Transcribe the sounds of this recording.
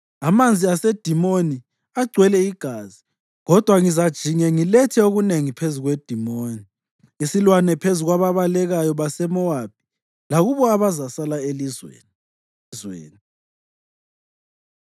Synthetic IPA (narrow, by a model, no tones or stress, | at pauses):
amand͡zʱiased̥ʱimoni | aɡ͡ǀʱwɛlɛiɡ̥ʱaːzi | ɣɔd̥ʱwaŋizad̥ʒ̥ʱiŋɛŋilɛtʰɛuɣuneŋipʰezuɣwɛd̥ʱimoːni | isilwanɛpʰezuɣwaβaβalɛɣajɔβasɛmɔap̚ʰi̥ | laɣuβɔaβazasala | zwḛːni